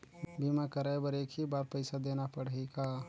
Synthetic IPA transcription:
bimakəɾajbəɾeːkʰibaːɾpəɪsad̪eːnapəɽəɪka

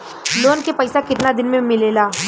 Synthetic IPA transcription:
loːnkepɐɪsakɪt̪nad̪ɪnmẽmɪleːlaː

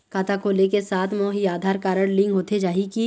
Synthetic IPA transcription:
kaːt̪akʰoːlekesaːt̪ʰmɔːɦiaːd̪ʱaːɾkaːɾəɽlɪ̃ŋɡɦoːt̪ʰed͡ʒaːɦiki

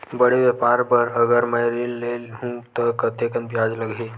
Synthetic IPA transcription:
bəɽeʋepaɾpəɾəɡəɾməjɾiːlːelɦũt̪ɔkət̪ekənbjad͡ʒləɡʱe

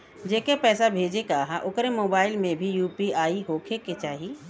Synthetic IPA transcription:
d͡ʒekepɛːsabʱeːd͡ʒekaɦaʔʊkɾemoːbaːɪlmẽbʱijuːpiaːiɦoːkʰeket͡ʃaːɦi

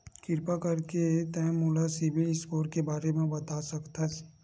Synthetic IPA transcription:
kɪɾpakɐɾket̪ɛ̃muːlasɪbʱiɪskoːɾkebaːɾemẽbɐt̪asɐkt̪as

